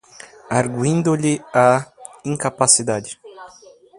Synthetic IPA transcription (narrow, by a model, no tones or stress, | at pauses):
aɾɡwĩnd̪ʊʎɪaĩŋkapasid̪ad͡ʒɪ